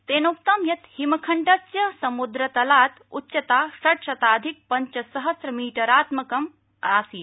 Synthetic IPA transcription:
t̪eːnok̚t̪ɐmjɐt̪himɐkʰɐɳʈɐsjɐsɐmud̪ɾɐt̪ɐlaːt̪ut͡ʃːʃɐt̪aːsɐʈʃɐt̪aːd̪ʱik̚pɐɲt͡ʃɐsɐɦɐsɾɐmiːʈɐɾaːt̪mɐkɐm | aːsiː

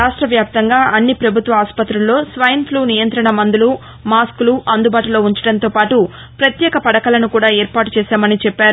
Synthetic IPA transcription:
aːʂʈɾɐʋjaːp̚t̪ɐŋɡaːʔɐnːipɾɐbʱut̪ʋɐaːspɐt̪ɾulːo̞ːsʋɐjɐnpʰluːnijɐnt̪ɾɐɳɐmɐnd̪ulu | maːskuluʔɐnd̪ubaːʈulo̞ːuɲt͡ʃɐɽɐnt̪o̞ːpaːʈu | pɾɐt̪jɛːkɐpɐɽɐkɐlɐnukuːɽaːeːɾpaːʈu̥t͡ʃɛːsaːmɐnit͡ʃɛpːaːɾu

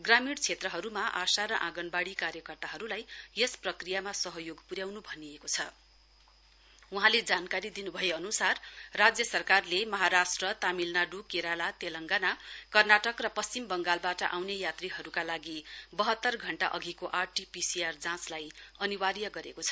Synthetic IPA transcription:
ɡramiɽt͡sʰet̪rʌɦʌɾumaʔasaɾʌʔãɡʌnbaɽikaɾjʌkʌrt̪aɦʌɾulajjesprʌkrijamasʌɦʌjoɡpuɾjawnubʱʌniekot͡sʰʌ | uɦãled͡zankaɾid̪inubʱʌeʌnusarːad͡zjʌsʌrkarlemʌɦaɾasʈrʌt̪amilnaɖukeɾalat̪elʌŋɡanakʌrnaʈʌkrʌpʌst͡simbʌŋɡalbaʈʌʔawnejat̪riɦʌɾukalaɡibʌɦʌt̪ːʌrɡʱʌɳʈaʔʌɡʱikoʔarʈipisiard͡zãslajʌniwaɾjʌɡʌɾekot͡sʰʌ̥

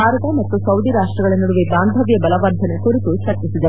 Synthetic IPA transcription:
aːɾɐt̪ɐmɐt̪ːusɐwd̪iɾaːʂʈɾɐɡɐɭenuɽuʋebaːnd̪ʱɐʋjɐbɐlɐʋɐɾd̪ʱɐnekoɾit̪ut͡ʃɐɾt͡ʃisid̪ɐ

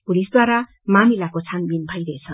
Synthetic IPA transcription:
pulisd̪waɾa | mamilakot͡sʰanbinbʱʌjɾʌet͡sʰʌn

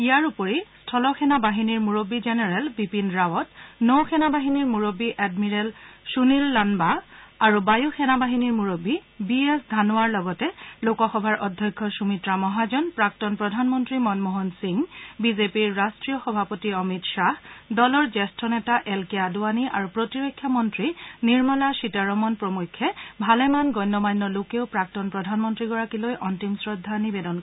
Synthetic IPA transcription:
ijaɹupɔɹistʰɔlɔxɛnabaɦiniɹmuɹobizɛnɛɹɛlbipinɹawɔtnowxʰɛnabaɦiniɹmuɹobːiʔɛdmiɹɛlsunilːanbaːɹubajuxʰɛnabaɦiniɹmuɹobibiesdʱanʊaɹlɔɡɔtɛlokɔxɔbʱaɹʔɔdʱːjɔjkʰːɔsumitɹamɔɦazɔnpɹak̚tɔnpɹɔdʱanmɔntɹimɔnmoɦɔnsiŋbizepiɹːastɹijɔxɔbʱapotiɔmitʃahdɔlɔɹzɛstɔnɛtaʔɛlkeaduaniʔaɹupɹotiɹokʰːjamɔntɹiniɹmɔlaʃitaɹɔmɔnpɹomujkʰːɛbʱalɛmanɡɔjnːɔmajnːɔlokeʊpɹak̚tɔnpɹɔdʱanmɔntɹiɡɔɹakilojʔɔntimsɹɔdʱːanibedɔnkɔ

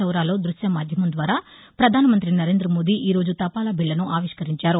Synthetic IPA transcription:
ɐwɾaːlo̞ːd̪ɾuʃjɐamaːd̪ʱjɐmɐmd̪ʋaːɾaː | pɾɐd̪ʱaːnɐmɐnt̪ɾinɐɾe̞ːnd̪ɾɐmo̞ːd̪iːʔiːɾo̞ːd͡ʒut̪ɐpaːlɐbiɭːɐnuʔaːʋiʂkɐɾiɲt͡ʃaːɾu

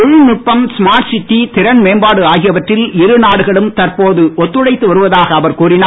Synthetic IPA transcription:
ʊɻnʊʈ̚pːɐmsmaːʈsɪʈːit̪ɪɾɐnmeːmbaːɽɯaːɣɪjɐʋɐʈrɪlɪɾɯnaːɽɯɣɐɭɯmt̪ɐrpoːðɯʔɔt̪ːɯɻɐɪt̪ːɯʋɐɾɯʋɐðaːɣɐːʋɐɾkuːrɪnaː

